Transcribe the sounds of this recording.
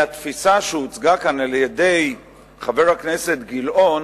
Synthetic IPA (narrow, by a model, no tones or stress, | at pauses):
at̪fisaʃeut͡sɡakanaljedej | χave̞ʁhakne̞se̞t̪ɡilʔo̞n